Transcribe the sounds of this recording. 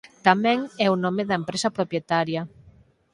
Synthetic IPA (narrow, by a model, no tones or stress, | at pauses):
t̪amɛ̃ŋɛunɔmeðɐempɾesɐpɾopjet̪aɾjɐ